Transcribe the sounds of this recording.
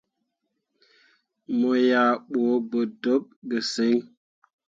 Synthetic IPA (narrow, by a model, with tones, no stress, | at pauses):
mo˨ja˨ɓo˨˦bə˨do˦p̚ɡə˨se˨˦ŋ